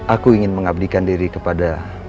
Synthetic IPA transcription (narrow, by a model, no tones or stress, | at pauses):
akuiŋɪnməŋab̚dikandiɾikəpada